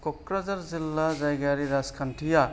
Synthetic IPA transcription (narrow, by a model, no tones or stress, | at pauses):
kɔkɾazaɾzilːazajɡaɾiɾaskʰantʰija